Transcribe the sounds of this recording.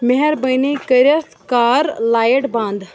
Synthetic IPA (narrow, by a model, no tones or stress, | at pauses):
meɦɛɾbɐjnekɐɾjɐs | kaːɾlaːjəʈbãːnd̪